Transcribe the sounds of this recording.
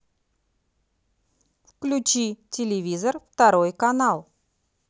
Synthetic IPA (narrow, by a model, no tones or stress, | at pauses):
fklʲʉt͡ɕitʲɪlʲɪvʲizərft̪ɐɾojkɐnalˠ